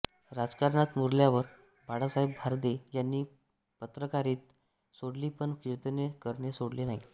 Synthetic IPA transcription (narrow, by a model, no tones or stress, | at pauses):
ɾad͡zkaɾɳat̪muɾljaʋəɾ | baɽasaɦebʱaɾd̪ejanːiː | pət̪ɾəkaɾiːt̪̚ | soɽliːpəɳkiɾt̪nekəɾɳjesoɽlenaɦi